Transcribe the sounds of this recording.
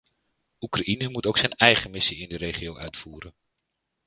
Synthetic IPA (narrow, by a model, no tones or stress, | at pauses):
ukraʔinəmutowksɛnɛjχəmɪsiɪndəɾejχiowʔœ̰ɥtfuːɾən